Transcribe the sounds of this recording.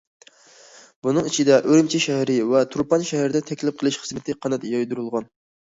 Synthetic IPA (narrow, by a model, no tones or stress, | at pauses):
bunɨŋit͡ʃʰid̪ɛʔøɾmt͡ʃʰɛʃɛɦɾɪvɛt̪ʰuɾpɑnʃɛhæɾɪd̪ɛt̪ʰɛkʲlɪp̚qʰəlˠɨʃχə̥zmɨt̪ʰɨqʰɑnɛt̪jɑjd̪uɾɨlˠʁɑn